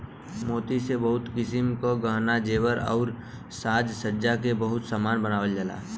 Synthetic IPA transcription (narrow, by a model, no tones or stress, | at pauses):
moːt̪isebəɦʊt̪kɪsɪmkoɡəɦnad͡ʒeːwəɾɔ̰ːɾ | saːd͡ʒsəːd͡ʒakebəɦʊt̪saːmaːnbənaːʋəld͡ʒəla̰ː